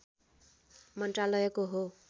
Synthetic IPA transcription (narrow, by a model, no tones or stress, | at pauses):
mʌnʈralʌjʌkoɦo